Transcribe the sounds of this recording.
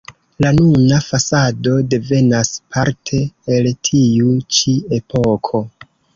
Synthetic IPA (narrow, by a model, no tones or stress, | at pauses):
lanunafasado̞de̞ve̞naspʰaɾtʰe̞ːltʰiut͡ʃie̞pʰokʰo̞